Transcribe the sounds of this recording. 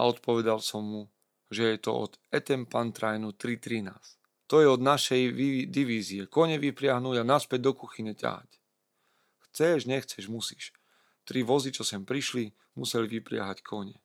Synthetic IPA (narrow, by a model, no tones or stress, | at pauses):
a̰ɔt̪pɔʋɛd̪alsɔmːu | ʒɛjɛt̪ɔ̰ɔ̰d̪ɛt̪ɛmpant̪ɾajnut̪ɾit̪ɾina̰ːs | t̪ɔjɛɔd̪naʃɛjid̪iʋiːziɛkɔɲɛʋipɾɪaɦnuɟanaspɛɟ̚d̪ɔkuxiɲɛca̰ɦa̰c | xt͡sɛʒɲɛxt͡sɛʒmusi̥ːʃ | t̪ɾiʋɔzit͡ʃɔsɛmpɾiʃli | musɛlʋipɾɪa̰ɦackʰɔɲɛ